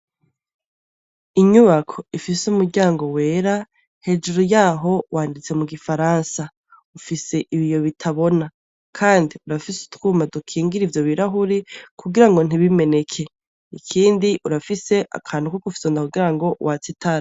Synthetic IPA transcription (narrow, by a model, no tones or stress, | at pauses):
iɲuβakʰo̞ifisumuɾɟaːŋɡo̞we̞ːɾa | he̞d͡ʒuɾojaːɦo̞wʔaːndit͡se̞muɡifaɾaːnsa | ufise̞ʔiβijo̞βitʰaβo̞na | kʰaːndiuɾafisu̥tkuːmadukʰiːŋɡiɾivjoβiɾaɦuɾikʰuɡiɾaŋɡo̞n̥iβime̞ne̞kʰe̞ | ikʰiːndiʔuɾafise̞ʔa̰kʰaːn̥ukokufi̥sondakuɡiɾaŋɡo̞wʔat͡sitʰaɾa